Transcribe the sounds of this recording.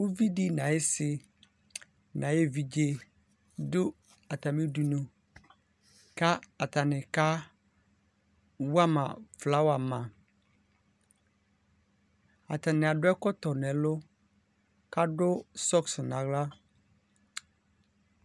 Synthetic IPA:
wo˦vi˦di˦nã˨ɪ˦sɪ˨ | nã˨je˦vi˨d͡ʒe˦ | dʊ˦ | a˨ta˨mɪ̃˦du˨nũ˨ | ka˦a˨ta˨nɪ̃˨ka˦ | wu˦a˦mã̰˨fla˨˦wa˨mã˨ | a̰˨ta˨nɪ̃˨a˨dʊ˦ɛ˦kɔ˦tɔ˨nɛ̃˨˦lʊ˦ | ka˦dʊ˦sɔ˦ksʊ˨nã˨ɣla˦

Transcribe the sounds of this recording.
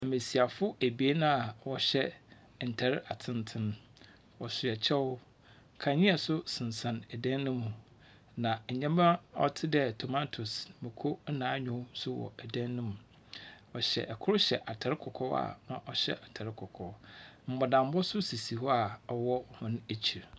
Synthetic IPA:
ɛ˨mẽ˨si˨a˨fʊ˦æ˨bi˨˦e˦nã˦a˨wɔ˦ɕɛ˦ | n̩˨tʰɛ˨ɾɪ˦a˨tʰɪ̃˦ntʰɪ̃˦n | ɔ˨sʊ˨ɛ˨t͡ɕʰɛ˦wʊ˦˨ | kʰã˨ɲɪ̃˦a˨sʊ˦sɪ̃˨n˨sã˨nɛ˨dæ̃˦nːɪ̃˦mũ˨ | nã˨ɲɛ̃˦mɛ̃˦ɔ̰˦tʰɪ˦dɛ˦tʰo˨ma˦tʰʊ˨smɪ̃˨kʰo˦n̩˦nãː˨˦ɲᶣʊ̃˦sʊ˦wɔ̰˨æ˨dæ̃˦nːɪ̃˦mũ˨ | ɔ˨ɕɛ̰˨ʔɛ˨kʰʊ˦ɾʊ˦ɕɛ˨ʔa˨tʰa˨ɾɪ˦kʰɔ˨kʰɔ˦wa̰˨nã̰˨ʔɔ˨ɕɛ̰˦ʔa˨tʰa˨ɾɪ˦kʰɔ˨kʰɔ˨m̩˨bɔ˨dã˨m˦bɔ˦sʊ˦si˨si˨hɔ˦a˨ɔ˨wɔ˦˨hʊ̃˦n˦æ˨t͡ɕʰi˨ɾ

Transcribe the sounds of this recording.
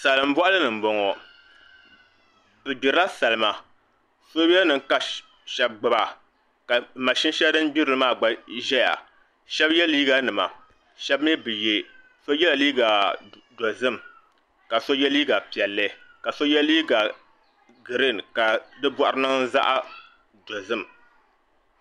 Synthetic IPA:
sa˨lɨ˨m˦bɔ˦ʔa˦lɨ˦nɨ˨m̩˦bɔ˨ŋɔ˨ | bɨ˨di˨ɾa˦sa˨lɨ˨ma˨ | so˦bɛ˦nɨ˨ŋ˦ka˦ | ʃɛ˦b̚ɡ͡bɨ˦ba˨ | ka˨ma˨ʃi˦n˦ʃɛ˦dɨ˦n˦bi˦ɾɨ˨lɨ˦maː˦˨ɡ͡ba˨ʒɛ˦ja̰˨ | ʃɛ˦bjɛ˦liː˦ɡa˦nɨ˨ma̰˨ | ʃɛ˦bmi˦bɨ˨je˦ | so˦jɛ˦la˨liː˦ɡa˨ | do˨zɨ˦m˨ | ka˨so˦jɛ˦liː˦ɡa˨pi˨ɛ˨lːɨ˦ka˨so˦jɛ˦liː˦ɡa˨ | ɡɨ˨ɾɨ˦n˨ka˨dɨ˦bɔ˦ʔʊ˦ɾɨ˦nɨ˦ŋza̰˦ʔa˦ | do˨zɨ˦˨m

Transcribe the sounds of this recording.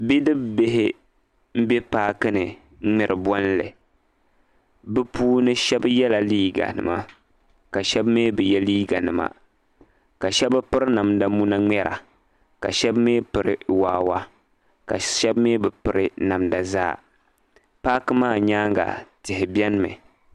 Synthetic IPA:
bi˦dɨ˦bbe˦ɦɪ˦ | m̩˦bɛ˦paː˦kɨ˦nɨ˨˦ | ŋ͡mɛ˨ɾɨ˨bɔ˦n˦lɨ̰˨ | bɨ˦puː˦nɨ˦ʃɛ˦bjɛ˦la˨liː˦ɡa̰˨nɨ̰˨ma˦ | ka˨ʃɛ˦bmeː˦bɨ˨jɛ˦liː˦ɡa˨nɨ˨ma̰˨ | ka˨ʃɛ˦ba˦pɨ˦ɾɨ˦na˨mda˨mu˦na˦ŋ͡mɛ˦ɾʔa̰˨ | ka̰˨ʃɛ˦bmeː˦pɨ˨ɾɨ̰˨waː˦wa˦ | ka̰˨ʃɛ˦bmeː˦bɨ˨pɨ˨ɾɨ˦na˨mda˨za̰ː˦˨ | paː˦kɨ˦maː˦˨ɲaː˦ŋɡa̰˨tɪ˨hɪ˨bjɛ˦n˦mɨ̰˨

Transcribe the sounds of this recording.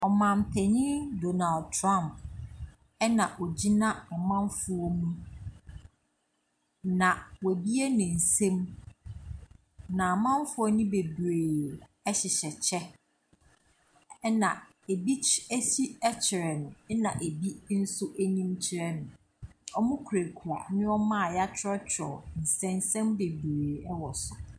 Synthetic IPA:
ɔ˨mã˨m˨pʰɛ˨ɲĩ˦do˨na˨ldtʰɾã˦˨mp̚ | ɛ˦nã˨ʔɔ˨d͡ʑi˦nã˦a˨mã˦mfʊ˦ɔ˦mũ˦ | nã˨wɔ˨bi˦e˦nɪ̃˨n̩˨sẽ˦m | nã˨a˨mã˦m˦fʊ˦ɔ˦nʊ̃˦be˨bɾe˨ɛ˦ɕɪ˨ɕɛ˨t͡ɕʰɛ˦ | nã˨ | e˨bi˦æ˦si˦ɛ˦t͡ɕʰɪ˨ɾɛ˨nʊ̃˨ɛ˦nã̰˨ʔe˨bi˦n̩˦sʊ˦ʔæ˦nĩ˦mt͡ɕʰɪ˦ɾɛ˦nʊ̃˨ | ɔ˦mʊ̃˦kʰu˨ɾe˨kʰu˨a̰˨nɪ̃˦ɔ˦mã˦a˨ja˦t͡ɕʰᶣɪ˦ɾɔ˦t͡ɕʰɔ̰˨n̩˨sɛ̃˦n˦sɛ̃˦mbe˨bɾeː˨ɛ˦wɔ˨sʊ̥˨

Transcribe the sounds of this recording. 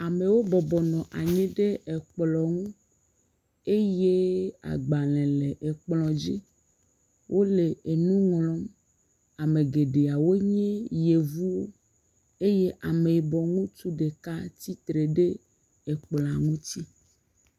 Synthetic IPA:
a˨me˨wo˦bɔ˨bɔ˨nɔ̃˨ʔa˨ɲɛ̃˦ɖe˦e˨k͡plɔ˨ŋũ˦ | e˦je˦a̰˨ɡ͡ba˨lɛ̃˨le˨ʔe˨k͡plɔ̃˨d͡ʑi˦ | wʔo˦le˨e˨nũ˦ŋlɔ̃˦m | a˨me˨ɡe˨ɖe˨a˨wo˦ɲɛ̃˦je˨vu˦wo˦ | e˦je˦ʔa˨me˨i˨bɔ˨ŋũ˦t̪u˦ɖe˨ka˦t̪i˦t̪ɾe˨ɖe˦ | e˨k͡pl̃a˨ŋũ˦t̪i˦

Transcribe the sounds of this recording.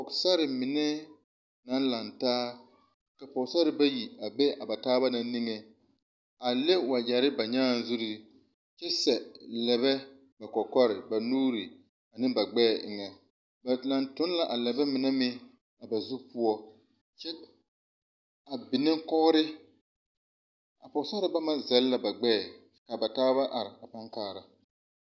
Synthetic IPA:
pɔ˨ksa˦ɾɪ˨mɪ˨nɛ˦ | na˦nla˨ntaː˦ | ka˨pɔ˨sa˦ɾɪ˨ba˦ji˨a˨be˦ʔa˨ba˨taː˦ba˦na˨˦ni˦ŋe˨ | a˨le˦wa˨d͡ʒa˨ɾɪ˦ba˨ɲaː˦˨n˨zu˦ɾi˦˨ | t͡ʃɛ˦sɛ˨lɛ˨βɛ˦ | ba˨kɔ˨kɔ˦ɾɪ̰˨ba˨nuː˦ɾi˨ | a˨nɪ˦ba˨ɡ͡bɛː˦˨ʔɪ˨ŋɛ˨ | ba˨la˨ntʊ˦n˦la˨ʔa˨lɛ˨bɛ˦mɪ˨nɛ˦mɪ˦ | a˨ba˨zʊ˦pʊ˦ɔ˦ | t͡ʃɛ˦ | a˨bɪ˨nɪ˦ŋkɔ˦ɾɪ˦ | a̰˨pɔ˨˦sa˦ɾɪ˦ba˦ma˨zɛ˨lla˨ba˨ɡ͡bɛ˦˨ | ka˨ba˨taː˦βa˦ʔa˨ɾɪ˨a˨pa˦ŋkaː˦˨ɾa˨

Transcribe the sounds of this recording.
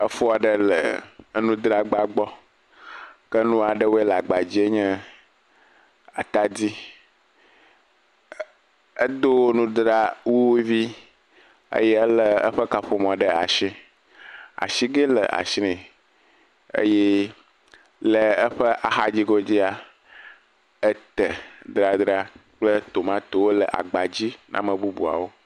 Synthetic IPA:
ə˦fo˦a˨ɖə˦lə̰˨˦nũ˦d̪ɾa˦ɡ͡ba˦ɡ͡bɔ˦ | kə˦nũ˦a˨ɖə˦wo˦e˦la˨ɡ͡ba˨d͡ʑi˦e˦ɲɛ̃˦ | a˨t̪a˨di˦ | ə˦d̪o˦wo˦nũ˦d̪ɾa˦wu˦wvi˦ | ə̰˦jɛ˦ə˦lə˦ə̰˦ɸə˦ka˨ɸo˨m˨ɔ̃˨ɖə˦a̰˨ʃi˦ | a̰˨ʃi˦ɡe˦lə̰˨ʔa̰˨ʃi˦nɛ̃˨ | ə̰˦jɛ˦ | lə˨ə˦ɸə˦ʔa˨xa˦d͡ʑi˦ɡɔ˦d͡ʑi˦a˨ | ə˦t̪ə˨d̪ɾa˨d̪ɾa˦k͡plə˦t̪o˨mã˦t̪o˨wo˦lə˨ʔa̰˨ɡ͡ba˨d͡ʑi˦nʔã̰˦mə̃˨bu˦bṵ˨a̰˨wo˦

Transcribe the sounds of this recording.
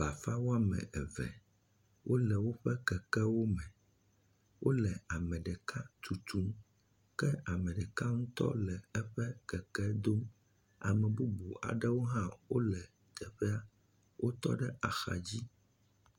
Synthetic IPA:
ba˨fa˦wo˦a˦mɛ̰̃˨ʔɛ˨vɛ̰˨ | wʔo˦lɛ˨wo˦ɸɛ˦kɛ˨kɛ˦wo˦mɛ̃˨ | wʔo˦lɛ˨a˨mɛ̃˨ɖɛ˨ka˦t̪ʰu˨t̪ʰu˨˦m | kɛ˦a˨mɛ̃˨ɖɛ˨ka˦ŋũ˦t̪ɔ̰˦lɛ˨ɛ˦ɸɛ˦kɛ˨kɛ˦d̪o˦m | a̰˨mɛ̃˨bu˦bu˨a̰˨ɖɛ˦wo˦ɦã˦wo˦lɛ˨ | d̪ɛ˨ɸɛ˦a˦ | wʔo˦t̪ɔ̰˦ɖɛ˦ʔa˨xa̰˨d͡ʑi˦

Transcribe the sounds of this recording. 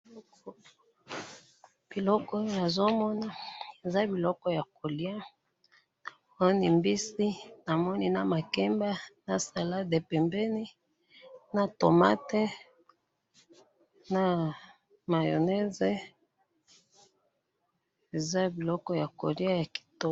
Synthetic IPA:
k | b̥i˨lɔ˦kɔ˦jna˨zo˦mɔ˦na˦e˨za˦bi˨lɔ˦kɔ˦ja˨ko˨li˦a˦ | ni˨mbi˦si˦na˨mɔ˦ni˦na˨ma˨kɛ˦mba˦na˨sa˨la˦de˨pɛ˨mbɛ˦ni˦ | na˨to˨ma̰˦te˦ | na˨ | ma˨jo̰˨nɛ˦ze˦ | e˨za˦bi˨lɔ˦kɔ˦ja˨ko̰˨li˦a˦ja˨ki̥˨to˦

